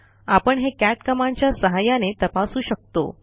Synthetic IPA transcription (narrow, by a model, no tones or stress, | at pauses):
apəɳɦekæʈkəmaɳt͡ɕjasəɦajanet̪əpasuːɕək̚t̪o̰